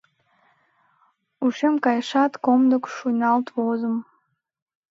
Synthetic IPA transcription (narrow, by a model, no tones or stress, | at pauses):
uʂemkajʂatkomdɨkʷʰʂujnaltʰʼwozɨm